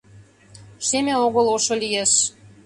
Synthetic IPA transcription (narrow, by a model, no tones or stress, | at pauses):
ʃemeoɣəloʃolijeʃ